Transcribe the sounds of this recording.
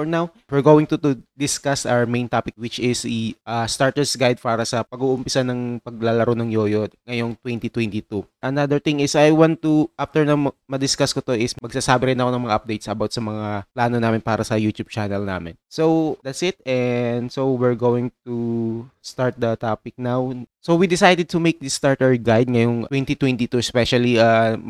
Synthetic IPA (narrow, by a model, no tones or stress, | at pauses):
ɔɹnaw | wɪɹɡowɪ̃ŋt̪ut̪ud̪ɪskasʔawə˞mẽj̃nt̪aːpɪk̚wɪt͡ʃɪsiʔast̪aɹt̪ɛɹsɡajd̪̚paːɾɐsɐpɐɡuʔʊmpɪsanɐŋpɐɡ̚lalɐɾonɐŋjojod̪ŋɐjo̞ŋt̪wɛnt̪it̪wɛnt̪it̪uʔɐnad̪ɛɹt̪ɪ̃ŋɪsɐjwãnt̪uʔaft̪ɛɹnawmmɐd̪ɪskaskot̪o̞ʔɪsmɐɡsaːsaːbɪɾɪnɐko̞nɐŋmɐŋaʔɐp̚d̪ejt̪sɐbawt̪̚sɐmɐŋaplaːnonaːmɪnpaːɾɐsɐjuːt̪jub̚t͡ʃanɛlna̰ːmɪ̰nsowd̪ɐt̪sɪt̪̚ɛnd̪sowɪɹɡowɪŋt̪ust̪aɹt̪̚d̪ɐt̪aːpɪk̚nawsowwid̪ɪsajd̪ɛd̪̚t̪ʊmejk̚d̪ɪst̪aɹt̪ɛɹɡajd̪̚ŋɐjoŋwɛnt̪it̪wɛnt̪it̪uɛspɛʃɐlia